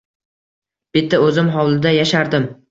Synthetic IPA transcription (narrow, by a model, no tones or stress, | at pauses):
b̥ɪt̪ʰːaɵzɪmɦɒwlˠɪd̪ajaʃaɾd̪ɪm